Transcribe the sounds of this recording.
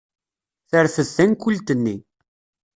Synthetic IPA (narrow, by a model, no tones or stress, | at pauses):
θəɾθəzːænkːult̪ənːi